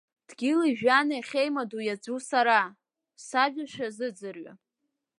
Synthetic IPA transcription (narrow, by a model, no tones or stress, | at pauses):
d̥ɡʲɪliʒᶣanajχʲejmadujad͡ʒusaɾa | saʒᶣaʃᶣazɨd͡zɨrɥa̰